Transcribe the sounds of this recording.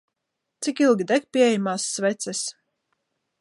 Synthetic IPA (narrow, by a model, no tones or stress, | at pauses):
t̪sikilˠɡʲid̪ɛk̚pʲiɛɛjmaːsːvɛt̪sɛs